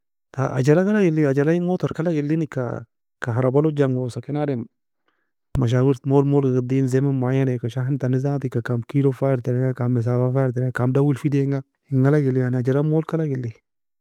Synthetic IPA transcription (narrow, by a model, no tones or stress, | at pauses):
ta̰ʔa̰d͡ʒalakalaɡilːiad͡ʒalaiŋot̪oɾkalaɡilːinika̰ | kaɦaɾabalod͡ʒaŋɡosakɪnadem | maʃ̬awiɾtmolmolɡaɡadinzemamajanɛkaʃaɦintanizat̪ikakamkiɾofajɾtɛɾɛŋakamɪs̬abafajɾt̬ɛɾɛkamdawilfideŋɡa | iŋːalaɡilːijanad͡ʒalamolkalaɡilːi